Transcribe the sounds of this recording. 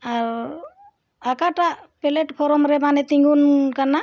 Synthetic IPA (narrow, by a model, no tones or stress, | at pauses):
aɾ | akaʈapɛleʈpʰɔɾɔmɾɛbanɛt̪iŋɡunkaɾna